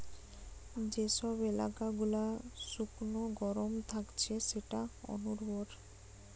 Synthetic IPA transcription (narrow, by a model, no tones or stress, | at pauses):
d͡ʑeʃɔbela̰kaɡulaʃuknoɡɔɾomt̪ʰakt͡ɕʰeʃeʈaɔ̰nuɾboɾ